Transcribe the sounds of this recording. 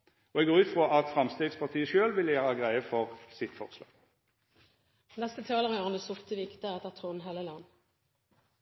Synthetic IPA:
ɔɛɡoːʁʉːt̪fʁɔʔɑt̪fʁɑmst̪eːd̪spʰɑʁt̪ʰiːəʃøːlʋɪljæːʁɑɡʁæɪəfɔʁsɪt̪fɔ̰ʁslɑ̰ːɡ̥ | nɛst̪ət̪ʰɑːləʁɪoːʁnəsʊʁt̪əʋɪkt̪əɛt̪əʁt̪ʰʁunɦeːləlɑnː

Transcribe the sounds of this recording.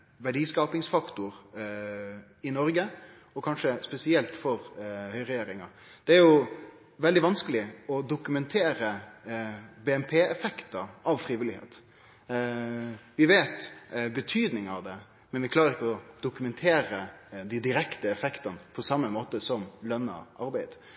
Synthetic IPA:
ʋæɖiːskɑːpɪŋsfɑkt̪ʊɾ | ɪnɔɾɡə | ɔkʰɑnʂəspɛsɪɛlt̪fɔɾhœʏɾɛjeːɾɪŋɑ̰ | d̪̥ɛæɾjʊ | ʋɛld̪ɪʋɑnskəlɪɔd̪ʊkʉmɛnt̪ʰeːɾə | beːɛmpʰeːɛfɛkt̪ɑʔɑʋfɾiːʋɪlɪhḛːt̪ | ʋɪʋeːt̪bət̪ʰyːd̪nɪŋɑʋd̪ɛ | mɛnʋɪkʰlɑːɾəɾɪkːəɔd̪̥ʊkʉmɛnt̪ʰeːɾəd̪ɪd̪ɪɾɛkt̪əɛfɛkt̪ɑnəpʰɔsɑmːəmoːt̪əsɔmlœnːɑ̰ʔɑɾbæɪd̪̥

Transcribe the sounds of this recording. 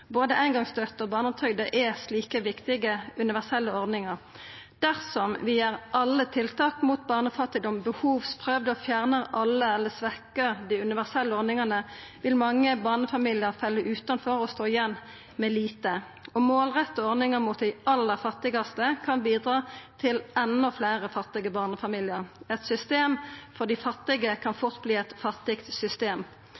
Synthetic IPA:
boːd̪əʔæɪnɡɑŋst̪œt̪ːɔbɑːʁnɔpt̪ʰœɡd̪əʔɛsliːkəʋɪkt̪ɪɡəʉnɪʋæsɛlːəɔʁd̪nɪŋɑʁ | d̪̥æʁsɔmʋɪjeːʁʔɑlːət̪ʰɪlt̪ʰɑːkmut̪̚bɑːʁnəfɑt̪ːɪd̪ɔmbəhuːʋspʰʁøːʋd̪əɔfjæʁnəʁʔɑlːəɛlːəsʋɛkəʁd̪ɪʉnɪʋæʁsɛlːəɔʁd̪nɪŋɑnəʋɪlmɑŋːəbɑːnəfɑmiːlɪəʁfɛlːəʔʉːt̪ɑnfɔʁɔst̪oːɪjɛnː | mɛliːt̪ə | ɔmoːlʁɛt̪ːɔɔʁnɪŋəmʊt̪̚d̪ɪʔɑlːəʁfɑt̪ːɪɡɑst̪əkʰɑnbiːd̪ʁɑːt̪ʰɪlɛnɔfleːʁəfɑt̪ːɪɡəbɑːʁnəfɑmiːlɪəʁɛt̪sʏst̪eːmfɔd̪ɪfɑt̪ːɪɡəkʰɑnfʊʁt̪̚bliːɛt̪fɑt̪ːɪkt̪sʏst̪eːm

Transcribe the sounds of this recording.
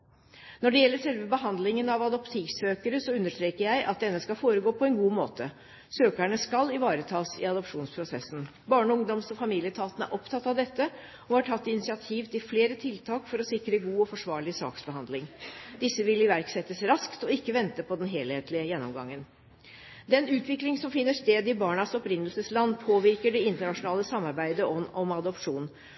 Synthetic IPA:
nɔɖɛjɛlːəʂɛlʋəbəɦɑnd̪lɪŋənɑʋɑd̪ɔpt̪ʰiːʋsøːkəɾəsɔʉnːəʂʈ̪ɾeːkəɾjæɪʔɑ̰t̪̚d̪ɛnːəskɑlfoːɾəɡoːpʰɔɛnɡuːmoːt̪ə | søːkæɳəskɑlɪʋɑːɾət̪ʰɑːsɪ̰ɑd̪ɔpʂuːnspʰɾʊsɛsn̩ | bɑːɳəʊŋd̪ɔmsɔfɑmiːlɪət̪ʰɑːt̪ənəæ̰ɾʔɔpt̪ʰɑt̪ːɑʋd̪ɛt̪ːə | ɔhɑʈʰɑt̪ːɪnɪsɪɑt̪ʰiːʋt̪ɪlfleːɾət̪ʰɪlt̪ʰɑːkfɔɾɔsɪkɾəɡuːɔfɔʂʋɑːɭɪsɑ̰ːksbəhɑnd̪lɪŋd̪ɪsːəʋɪlɪʋæɾksɛt̪ːəsɾɑskt̪ɔɪkːəʋɛnt̪əpɔd̪ɛnɦeːlheːt̪ʰlɪəjɛnːɔmɡɑ̰ŋːən | d̪ɛnʉːt̪ʰʋɪklɪŋsɔmfɪnːəʂt̪eːd̪ɪbɑːɳɑsɔpɾɪnːəlsəslɑnːpʰoːʋɪɾkəɖɛɪnt̪əɳɑʂʊnɑːləsɑmːɑɾbæɪd̪əɔnɔmɑd̪ɔpʂuːn

